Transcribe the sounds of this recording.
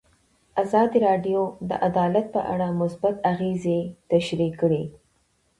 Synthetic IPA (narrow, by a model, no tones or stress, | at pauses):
azɑd̪iɾɑɖjod̪ə̰ʔad̪ɑlat̪̚pə̰ʔa̰ɽamʊsbat̪aɣezet̪aʃɾikːɽe